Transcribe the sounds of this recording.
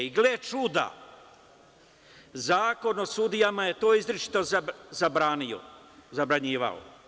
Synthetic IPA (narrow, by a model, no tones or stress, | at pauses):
iɡlet͡ʃud̪a̰ | zaːko̞no̞sud̪ijamaje̞t̪o̞ːizɾit͡ʃi̥t̪ozabɾaːnio̰ | zabɾaɲiːʋa̰o̰